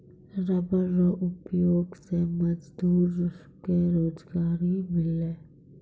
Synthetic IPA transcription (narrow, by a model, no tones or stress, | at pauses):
ɾɐbəɾːoʔʊpjoːɡsemɐd͡ʒd̪uːɾ | keɾoːd͡ʒɡaːɾimɪleː